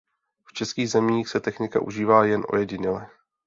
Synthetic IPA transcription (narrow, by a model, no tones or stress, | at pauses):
ft͡ʃɛskiːɣzɛmiːxsɛt̪ɛxnɪka̰ʔuʒiːvaːjɛnʔo̞̰jɛɟɪɲɛlɛ